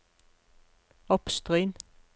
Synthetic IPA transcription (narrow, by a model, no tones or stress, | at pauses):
ɔpst̪ʁʏːn